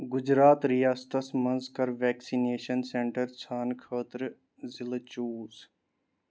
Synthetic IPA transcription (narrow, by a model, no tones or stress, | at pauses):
ɡʊd͡ʒɾaːt̪ɾijaːst̪əsmɐ̃nzkɐɾʋɛːksineːʃənsẽɳʈəɾt͡ʃʰaːnkʰəːt̪ɾ | zɪlt͡ʃuːz